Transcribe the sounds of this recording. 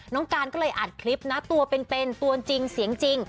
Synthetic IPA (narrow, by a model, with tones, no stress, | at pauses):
nɔː˦˥ŋkaː˧nkɔː˥˩lɤː˧jʔa˨˩t̪̚kʰli˦˥p̚na˦˥t̪u˧ɐpe˧npe˧nt̪u˧ɐ˧nt͡ɕi˧ŋsi˩˦əŋt͡ɕi˧ŋ